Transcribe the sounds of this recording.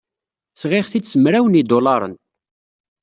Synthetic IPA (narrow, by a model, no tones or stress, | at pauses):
t͡sʁɪχθisəmɾæwənid̪olɑɾˤə̰n